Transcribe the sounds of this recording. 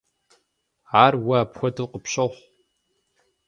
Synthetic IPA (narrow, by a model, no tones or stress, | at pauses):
aːrwaaːpxʷɔdɨlqəpɕɐχʷ